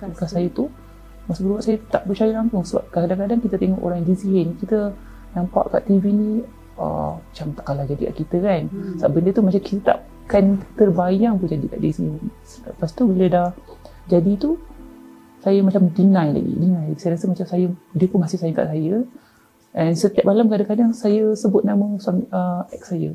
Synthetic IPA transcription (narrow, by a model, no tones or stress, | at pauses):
bəkasajət̪u | masubəɾubaʔsajət̪aʔbərt͡ʃajəlaŋsʊŋsəba̰p̚kaadaŋkadaŋkit̪ət̪eŋɔʔo̰ɾaŋjaŋdisiɦɪnikit̪ə | nampa̰ʔka̰ʔt̪ivinĩ | ə̰mat͡ʃamt̪aʔkalad͡ʒadika̰ʔkit̪əkansaaʔbəndət̪umat͡ʃamkit̪ət̪a̰ʔ | kant̪ərbajaŋpʊnd͡ʒadikaʔdisiɪn | lə̰past̪ubilədah | d͡ʒadit̪u | sajəmat͡ʃamdinãjla̰ɡḭdinãlaisajəɾasəmat͡ʃamsajədiəpʊnmasɪhsajəŋka̰ʔsajə | ʔɛnsət̪iap̚malamkadaŋkadaŋsajəsəbʊt̪̚naməsuaŋəɛk̚sajə